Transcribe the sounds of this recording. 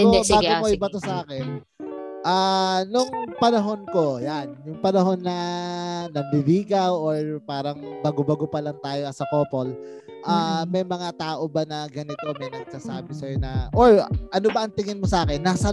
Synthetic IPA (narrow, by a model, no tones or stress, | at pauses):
obaːɡɪmoʔjbɐt̪osɐʔaːkɛn | ʔaːnʊŋpɐnɐɦo̞nko̞janjʊŋpɐnɐɦo̞nːɐ | nɐmbibiːɡɐwʔoɹpaːɾɐŋbɐɡobɐɡopɐlɐŋt̪aːjo̞ɐsɐko̞ːpo̞l | ʔamɐjmɐŋat̪aːʔo̞banɐɡɐnɪt̪omɐjnɐɡ̚saːsaːbɪsɐjonɐʔoɹʔɐnobɐʔɐŋt̪ɪŋɪnmosɐʔaːkɛnːaːsɐ